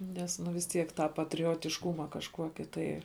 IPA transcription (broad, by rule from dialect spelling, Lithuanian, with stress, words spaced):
ˈnʲɛs nʊ ʋʲɪs ˈtʲiɛk tɑː pɐtʲrʲoːtʲɪʃˈkʊmɐ kɐʃˈkuɔkʲɪ tɐɪ